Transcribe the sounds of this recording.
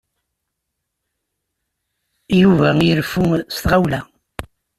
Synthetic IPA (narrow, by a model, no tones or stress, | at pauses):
juvæjəɾfust̪ʁawlæ